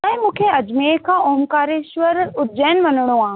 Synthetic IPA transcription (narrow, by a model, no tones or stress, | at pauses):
ɛ̃ːɪ̃mũːkʰeɐd͡ʑmeːkʰãːʔoɦmkaːɾeʃʋəɾʊd͡ʑəːnʋɐnəɽ̃oãː